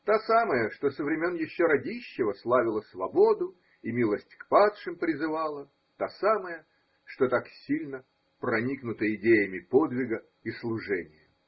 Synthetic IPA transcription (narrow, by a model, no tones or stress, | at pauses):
t̪asaməjəʂt̪osəvɾʲɪmʲonjɪɕːoɾɐdʲiɕːɪvəslˠavʲɪlˠəsvɐbo̞d̪ʊ | imʲilˠəsʲtʲkpat̪ʂɨmpɾʲɪzɨvalˠə | t̪asaməjə | ʂt̪ot̪aksʲilʲnə | prɐnʲiknʊt̪əɪdʲejəmʲɪpod̪vʲɪɡə | islˠʊʐɛnʲɪjə